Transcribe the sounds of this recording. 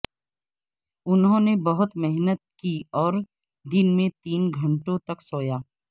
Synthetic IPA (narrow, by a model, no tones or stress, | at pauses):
ʊnɦõːnebɐɦʊt̪mɛɦnət̪̚kiːɔːɾ | d̪ɪnmẽt̪iːnɡʱɐ̃ɳʈõt̪ɐksoːjaː